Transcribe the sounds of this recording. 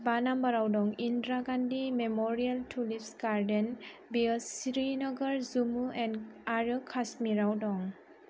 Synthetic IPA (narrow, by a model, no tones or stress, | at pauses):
banambaɾawdɔŋindɾaɡandimemɔɾialtʰulipsɡaɾden | biəsiɾinɔɡəɾzumuɛnaɾɯkʰasmiɾawdɔŋ